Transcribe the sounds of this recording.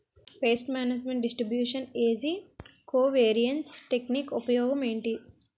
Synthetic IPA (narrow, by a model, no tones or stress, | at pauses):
peːsʈmaːnɐd͡ʒmeɳʈ̚ɖisʈɾibjuːʂɐneːsikoːʋeːɾijɐɳʈsʈekniːkupɐjɔːɡɐmeːɳʈi